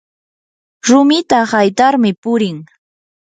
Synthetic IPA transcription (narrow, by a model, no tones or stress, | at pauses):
ɾʊmɪt̪ahajt̪aɾmɪpʊɾɪŋ